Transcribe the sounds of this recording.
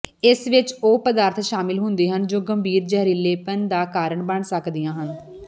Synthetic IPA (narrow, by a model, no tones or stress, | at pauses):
ɪsʋɪt͡ʃoːpəd̪aːɾt̪ʰʃaːmɪlɦʊ̃nd̪eːɦənd͡ʒoːɡəmbʱiːɾd͡ʒɛɦɾiːleːpənd̪aːkaːɾəɳbəɳsəkd̪ijãːɦən